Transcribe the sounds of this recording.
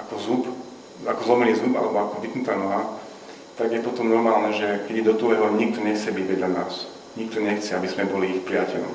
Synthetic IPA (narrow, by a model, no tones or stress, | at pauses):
ʔakɔzup | akɔzlɔmɛniːzuba̰lɛbɔakɔʋiknut̪aːnɔɦa | t̪aɡjɛpɔt̪ɔmnɔɾmaːlnɛʒɛkɛɟɛd̪ɔt̪ulɛɦɔɲik̚t̪ɔɲɛxt͡sɛbiɟɛd̪ʎana̰ːs | ɲik̚t̪ɔɲɛxt͡sɛabizmɛbɔliixpɾɪacɛʎɔ̰m